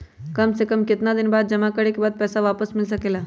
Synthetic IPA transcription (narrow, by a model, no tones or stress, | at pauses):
kɐmsekəmkɪt̪nad̪ɪnbaːd̪̚d͡ʒɐmakəɾekebaːd̪̚pɛːsaʋaːpəsmɪls̬ɐkeːlaː